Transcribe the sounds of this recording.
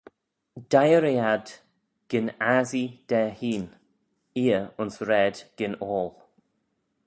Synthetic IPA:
d̥ajəɾiad | ɡ̥ɪnazid̪̥ɛːhiːn | iːəʊnsɾɛdɡ̥ɪnɔːlˠ

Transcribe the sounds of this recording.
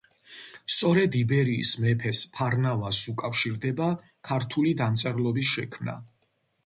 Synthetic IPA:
st̪sʼɔɾɛd̪ibɛɾḭːsmɛpʰɛspʰaɾnavasukʼafʃiɾd̪ɛba | kʰaɾt̪ʰulid̪amt̪sʼɛɾlˠɔbisʃɛkʰmna̰

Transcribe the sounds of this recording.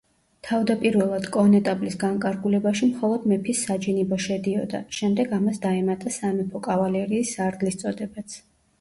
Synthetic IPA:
t̪ʰavd̪apʼiɾvɛlˠad̪̥kʼɔnɛt̪ʼablisɡaŋkʼaɾɡulɛbaʃimχɔlˠɔd̪mɛpʰisːad͡ʒinibɔʃɛd̪iɔd̪a̰ʃɛmd̪ɛɡamasd̪aɛmat̪ʼasamɛpʰɔkʼavalɛɾiːsːaɾd̪list̪sʼɔd̪ɛbat̪sʰ

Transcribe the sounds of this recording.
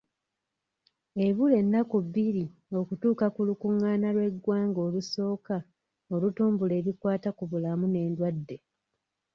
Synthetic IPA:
e̞βule̞nːakuβːiɾio̞kutuːkakulukuŋːaːnalwe̞ɡwaːŋɡo̞ːluso̞ːka | o̞lutuːmbule̞ːɾikwaːtakuβulamune̞ːndwadːe̞

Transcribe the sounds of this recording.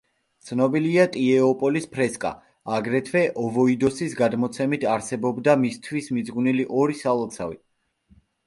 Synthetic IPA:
t̪sʰnɔbiliat̪ʼiɛɔpʼɔlispʰɾɛskʼa̰ | aɡɾɛt̪ʰwɛʔɔvɔid̪ɔsisɡad̪mɔt̪sʰɛmit̪ʰaɾsɛbɔbd̪amist̪ʰwismid̪zɡuniliʔɔɾisalˠɔt̪sʰa̰vḭ

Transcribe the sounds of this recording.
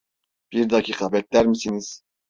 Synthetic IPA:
b̥iɾd̪ɑkʰiːkʰɑbɛt̪̚ʲlæɾmisiniz̥

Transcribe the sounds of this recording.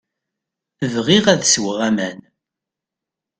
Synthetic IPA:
əvʁiʁæðswəʁæmæn

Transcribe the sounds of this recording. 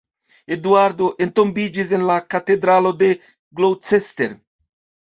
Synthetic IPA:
ed̪uaɾd̪oʔent̪ombid͡ʒizenlakat̪ed̪ɾalod̪e | ɡlowt͡sest̪eɾ

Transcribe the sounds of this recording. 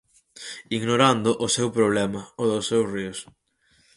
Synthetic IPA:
iɣnoɾand̪ʊʔʊsewpɾoβ̞lɛmɐoðʊsːewsriʊs

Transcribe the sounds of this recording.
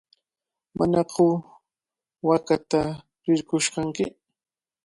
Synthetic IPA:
ma̰nɑqʰʊ | wakat̪a | ɾɪɾkʊʃkɑŋkɪ

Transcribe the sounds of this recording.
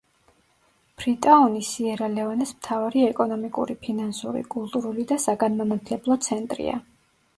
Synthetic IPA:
b̥ɾit̪ʼaɔnisiɛɾalɛvanɛsmt̪ʰavaɾiɛkʼɔnɔmikʼṵɾipʰinansuɾḭkʼulˠt̪ʼuɾulid̪asaɡanmamat̪ʰlɛblˠɔt̪sʰɛnt̪ʼɾḭa̰

